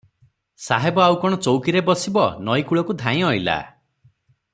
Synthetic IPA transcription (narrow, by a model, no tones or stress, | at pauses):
saɦebɔawkɔɽ̃ɔt͡ʃowkiɾebɔsibɔnɔjkuɭɔkud̪ʱãj̃ɔila̰